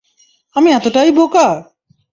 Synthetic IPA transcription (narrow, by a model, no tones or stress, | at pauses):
amiɛt̪oʈaiboka